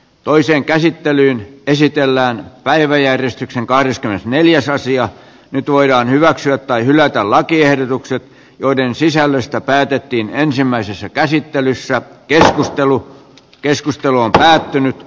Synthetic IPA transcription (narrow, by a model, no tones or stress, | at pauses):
t̪oiseːŋkæsit̪ːelyːnesit̪elːæːnpæiʋæjærjest̪ykseŋkɑhɾeskymenesneljæsɑsiɑ | nyt̪ʋoidɑːnhyʋæksyæt̪tɑihylæt̪ællɑkiehdot̪ukset̪ | joidensisælːøst̪æpæːt̪et̪ːiːnensimːæisesːækæsit̪ːelysːækeskust̪elu | keskust̪eluompæːt̪ːynyt̪